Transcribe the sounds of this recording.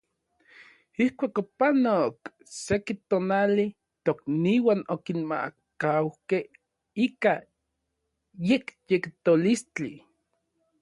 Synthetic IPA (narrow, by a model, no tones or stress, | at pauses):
ihkʷaːkopanok | sekit̪oːnali | t̪okniwanokinma̰kawkeh | ika | jekjekt̪olist͡ɬi